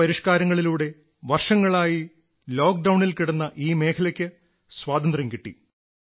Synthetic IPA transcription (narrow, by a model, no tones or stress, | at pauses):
ɐɾiʂkaːɾɐŋːɐɭiluːɽe̞ | ʋɐrʂɐŋːɐɭaːji | lo̞ːk̚ɖɐwɳilkiɽɐnːɐʔiːme̞ːkʰɐlɐkʲːɨ | swaːt̪ɐnd̪rɐŋkiʈːḭ